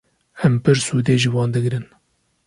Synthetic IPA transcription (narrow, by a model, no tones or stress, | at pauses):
ɛmpɨɾsuːd̪eːʒɨwɑːnd̪ɨɡɾɨn